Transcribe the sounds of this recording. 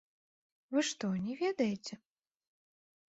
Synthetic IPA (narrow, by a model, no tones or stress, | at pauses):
vɨʂt̪ɔnʲɛvʲɛd̪ɐjet͡sʲɛ